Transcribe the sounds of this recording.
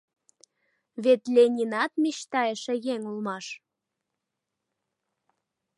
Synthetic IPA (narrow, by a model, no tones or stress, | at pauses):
βet̪lʲenʲinɑt̪mʲiʃt̪ɑjeʃĕjeŋulmɑʃ